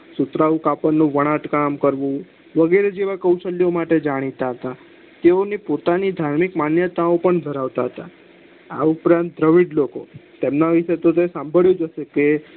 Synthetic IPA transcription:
sut̪ɾaũkapənːũʋəɽ̃aʈkamkəɾʋũ | ʋəɡeɾed͡ʒeʋakəwʃəljomaʈed͡ʒaɽ̃it̪aɦət̪a | t̪eonipot̪anid̪ʱaɾmikmanjət̪aopəɳd̪ʱəɾaʋt̪aɦət̪a | a̰upɾãnt̪̚d̪ɾəʋiɖlokot̪emnaʋiʃet̪ot̪esãmbʱəɭjũd͡ʒəʃeke

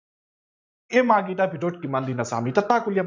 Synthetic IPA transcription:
emaːɡiʈ̪abʱiɖoʈ̚kimanlinasa̰ːmit̪ɐt̪ːaːkuljaɐ

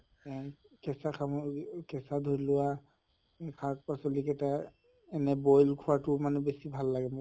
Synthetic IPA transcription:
kɛsakʰakɛsadʱoɹilʊwa | kʰak̚pasolikɛta | ɛnɛbɔjlkʰʊwatʊmanɛbesibʱalːaɡɛmʊ

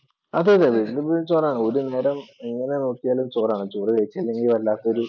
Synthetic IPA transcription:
ɐðeːðeʋilibulumt͡ɕoːraːɳɨo̞ɾune̞ːɾɐmeŋːɐne̞nut̪ːijaːlumt͡ɕoːraːɳɨt͡ɕoːrɨkɐjit͡ɕːɐilːeŋɡilʋɐllːaːt̪ːɐoɾu

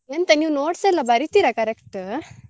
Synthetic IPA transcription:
jent̪ɐniːwnoːɽsɐlabʱɐɾit̪iɾakɐɾekʈ

